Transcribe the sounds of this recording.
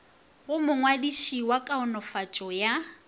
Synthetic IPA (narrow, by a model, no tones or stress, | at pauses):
ɣʊmʊŋwadiʃiwakʼaʊnɔfat͡ʃʼɔja